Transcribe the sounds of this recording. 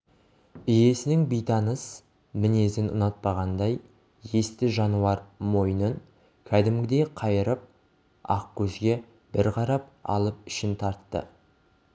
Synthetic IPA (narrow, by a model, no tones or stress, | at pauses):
ɪje̞sɪnɪŋbijt̪ɑnəs | mɪne̞zɪnʊ̰nɑt̪̚pɑʁɑnd̪ɑj | je̞st̪ɪʒɑnuɑɾmo̞jənən | kʲʰæd̪ɪmɡʲɪd̪e̞qʰɑjəɾəp̚ | ɑ̰qkʲʰɵzɡʲe̞ | b̥ɪɾqʰɑɾɑp̚ɑ̰lˠəp̚ɪʃɪnt̪ʰɑɾt̪ːə̰